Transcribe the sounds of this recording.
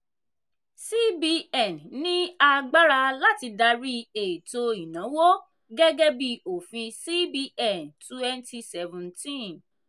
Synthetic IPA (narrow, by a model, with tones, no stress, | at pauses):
si˦bi˧˦ɛ˨nnĩ˦a˦˧ɡ͡ba˦ɾa˧la˦ti˧da˧ɾi˦e˨to˧i˨nã˨˦wo˦ | ɡɛ˦ɡɛ˦bi˦˧˨o˨fĩ˧si˦bi˧˦ʔɛ˦˨ntu˦ɛ˦n˦ti˧sɛ˧vũ˨ntĩ˦